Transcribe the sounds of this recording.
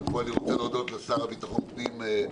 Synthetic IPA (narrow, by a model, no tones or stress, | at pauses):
foaliʁot͡senod̪ot̪vasaʁabit̪aχonpnime